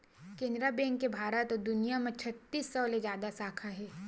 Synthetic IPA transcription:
kẽːnd̪ɾabẽːŋkebʱaːɾət̪ɔd̪ʊnijamẽt͡ʃʰɐt̪ːiːsːɔːled͡ʒjaːd̪asaːkʰaɦɛː

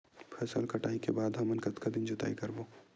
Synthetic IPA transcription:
pʰɛːsə̰lkɐʈaːikebaːd̪ɦɐmənkɐt̪kad̪ɪnd͡ʒɐt̪a̰ːikɐɾboː

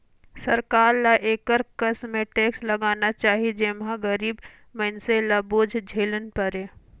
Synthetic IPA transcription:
sɐɾkaːɾlaʔeːkəɾkəsmẽʈeːkslɐɡaːnat͡ʃaːɦid͡ʒeːmɦãɡəɾiːb | mənselaboːd͡ʒʱd͡ʒʱeːlənpəɾeː

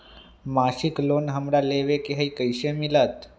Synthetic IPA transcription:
maʃiklonɦəmɾaleʋekeɦəikəiʃemilat̪

